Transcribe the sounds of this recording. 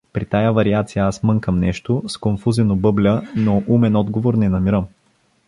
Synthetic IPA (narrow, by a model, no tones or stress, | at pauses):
pɾit̪ajavɐɾiat̪sijɐasmɤŋkəmnɛʃt̪oskonfuzɛnobɤblʲənoʔumɛnɔd̪ɡovoɾnɛnɐmiɾəm